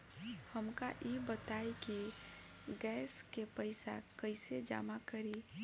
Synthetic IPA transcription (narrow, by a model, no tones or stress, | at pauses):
həmkaʔibət̪aːiki | ɡɛːskepəɪsa̰kəɪsed͡ʒa̰ːmakəɾi